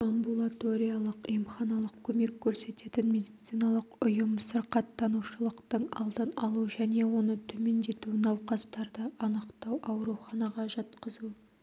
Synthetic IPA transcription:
ambulˠat̪o̞ɾʲijalˠəqjəmχɑnɑlˠəq̚kʲʰɵme̞kʲʰːɵɾse̞t̪e̞t̪ɪnme̞d̪it̪sijnɑlˠəqʊjəmsəɾqɑt̪ːɑnuʃəlˠəqt̪əɴɑ̰lˠd̪ənɑ̰lˠuʒæne̞wo̞nət̪ʰɵme̞nd̪e̞t̪uɪnɑwqɑst̪ɑɾd̪əɑnəqt̪ɑwʔɑwɾuχɑnɑʁɑʒɑt̪qəzu

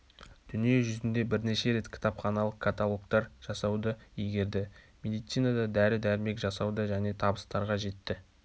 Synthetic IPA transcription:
d̪̥ʏnije̞ʒʏzɪnd̪e̞bɪɾne̞ʃe̞ɾe̞t̪kʲʰɪ̥t̪ɑpχɑnɑlˠəqkʰːat̪alˠo̞kt̪ɑɾʒ̥ɑsɑwd̪əijɡʲe̞ɾd̪ɪ | mʲe̞d̪ijt̪sijnad̪ɑd̪æɾɪd̪æɾme̞kʒɑsɑwd̪əʒæne̞t̪ʰɑbəst̪ɑɾʁɑʒe̞t̪ːɪ

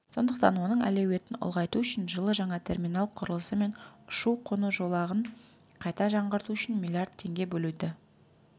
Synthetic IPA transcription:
so̞̰nd̪əqt̪ɑnwo̞nəɴæ̰lewe̞t̪ɪnʊ̰lˠʁɑjt̪uʏʃɪnʒəlˠəʒɑɴɑt̪ʰe̞rmʲinɑlˠqʰʊɾəlˠəsəme̞nʊʃuwqʰʊnəʒo̞lˠɑʁəɴqʰɑjt̪ɑʒɑɴʁəɾt̪uʏʃɪnmʲilʲˠijard̪̥̚t̪ʰːe̞ŋɡʲe̞bɵlud̪ɪ

